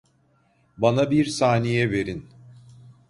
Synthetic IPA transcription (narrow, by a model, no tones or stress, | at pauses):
banabiɾsaːnijɛve̞ɾin